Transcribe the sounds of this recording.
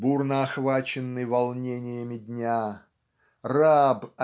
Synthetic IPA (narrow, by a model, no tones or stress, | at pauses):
burnəɐxvat͡ɕɪnːɨjvɐlˠnʲenʲɪjəmʲɪdʲnʲa | rabɐ